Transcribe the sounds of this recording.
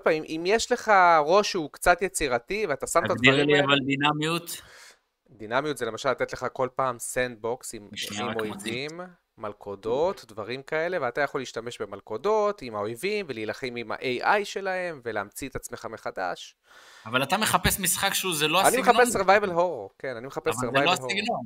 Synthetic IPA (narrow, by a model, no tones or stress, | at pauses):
paimʔimjeʃle̞χaʁo̞ʃukt͡sat̪jet͡siʁativeat̪asamt̪advaiʁliavald̪inamijut̪ | d̪inamijut̪zele̞maʃalat̪et̪leχako̞lpaːmsend̪̚bo̞ksimimojvimː | alkʰo̞do̞t̪dvaʁimkae̞le̞veat̪ajaχo̞lːiːʃtame̞ʃbe̞malko̞do̞t̪imao̞jvimve̞liːlaχemima̰ʔejʔajʃe̞lahe̞mve̞leːmt͡siet̪at͡sme̞χameχada̰ʃ | avalat̪ameχapesmisχakʃeuzeloaanimeχapesseʁvajvelɦo̞ʁoke̞nanimeχapesveʁvajloaiɡno